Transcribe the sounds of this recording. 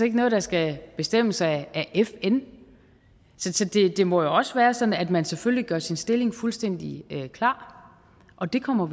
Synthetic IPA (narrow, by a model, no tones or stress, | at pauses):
e̝ɡ̥ənɔð̞̩ˠd̥ɑ̈sɡ̥æb̥e̝sd̥em̰əsɑ̈æʔefen | sɒ̽sɒ̽d̥e̝d̥e̝mɒ̽jo̝ɒ̽səʋæːɐsɒ̽n̩æd̥mænsefølliɡ̥ɶɐsinsd̥e̝le̝ŋfulsd̥en̰d̥iøkʰlɑ̈ː | ʔɒ̽d̥e̝kʰɒ̽m̰ɐ